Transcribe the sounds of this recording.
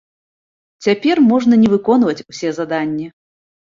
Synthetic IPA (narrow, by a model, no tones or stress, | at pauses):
t͡sʲapʲɛrmɔʐnɐnʲɛvɨkɔnvɐt͡sʲusʲɛzad̪anʲːɛ